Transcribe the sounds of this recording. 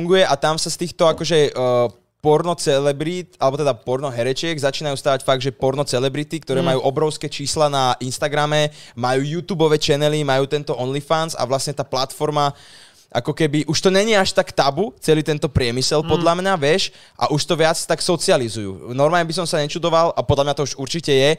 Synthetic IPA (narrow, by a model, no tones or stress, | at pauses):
uŋɡujɛʔat̪amsast̪iːxt̪ɔakɔʒɛ | pɔɾnɔt͡sɛlɛbɾit̪alɛbɔt̪ɛd̪apɔɾnɔɦɛɾɛt͡ʃɪɛɡzat͡ʃiːnajuːst̪aːʋacfaɡ̚d̪ʒɛpɔɾnɔt͡sɛlɛbɾit̪ik̚t̪ɔɾɛːmajuːʔɔbɾɔʊskɛt͡ʃiːslanaʔinst̪aɡɾamɛmajuːjut̪uːbɔʋɛt͡ʃɛnɛlimajuːt̪ɛnt̪ɔʔɔnlifansa̰ʋlasɲɛt̪aːplat̪fɔɾma | ʔa̰kɔkɛbiʔuʃt̪ɔɲɛɲɪɛaʃt̪akt̪abut͡sɛliːt̪ɛnt̪ɔpɾɪɛmisɛlpɔd̪ʎamɲaʋɪɛʃ | ʔa̰ʔuʃt̪ɔʋɪat͡st̪aksɔt͡sializujṵːnɔɾmaːɲɛbis̬ɔmsaɲɛt͡ʃud̪ɔʋalʔapɔd̪ʎamɲat̪ɔuʒuɾt͡ʃicɛjɛ